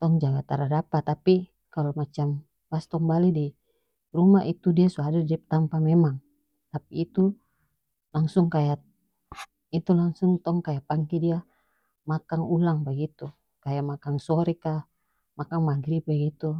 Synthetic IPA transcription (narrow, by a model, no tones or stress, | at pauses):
t̪ɔŋd͡ʒaɡat̪aɾadapat̪ːapi | kalomat͡ʃam | past̪ɔŋbalidi | rumait̪udiasuadadɛp̚t̪ampamɛmaŋ | t̪apiːt̪u | laŋsʊŋkaja | it̪ulaŋsuŋt̪ɔŋkajaʔpaŋkɛdia | makaŋulaŋbaɡit̪u | kajaʔmakaŋsɔɾɛka | makaŋmaɡɾibɛɡit̪u